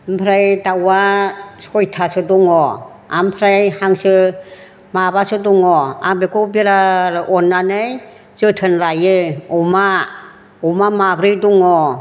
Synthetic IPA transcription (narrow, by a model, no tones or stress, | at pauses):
mpʰɾajdawasɔjtʰasɯdɔŋɔ | a̰mpʰɾajhaŋsɯ | mabasɯdɔŋɔabekubiɾaɾɯʔɔnːanɯj | zɯtʰɯnlajɯɔma | ɔmamabɾɯjduŋɔ